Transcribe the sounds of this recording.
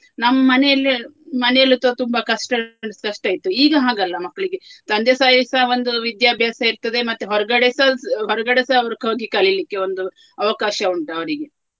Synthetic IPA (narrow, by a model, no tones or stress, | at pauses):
nɐmːɐmɐnɛjɐlːimɐnɛjɐlːit̪oːt̪umbɐkɐʂʈɐɳɖskɐʂʈaːjit̪ːuiːɡɐɦaːɡɐlːɐmɐkːɐɭiɡe̞t̪ɐnd̪jɐsaːjsɐond̪uʋid̪jaːbʱjaːsɐiɾt̪ɐd̪emɐt̪ːeɦɔɾɐɡɐɽesɐɦɔɾɐɡɐɽesɐʋɐɾɐkoːɡikɐlilikːeond̪u | ɐʋɐkaːʃɐuɳʈɐʋɐɾiɡe̞